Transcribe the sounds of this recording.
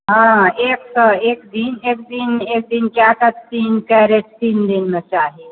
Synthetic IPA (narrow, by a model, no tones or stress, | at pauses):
ɦãːeːkseːkd̪ineːk̚d̪ineːk̚d̪inkjaːt̪ʰat̪iːnkɐɾeʈt̪iːnd̪inmẽt͡ʃaːɦi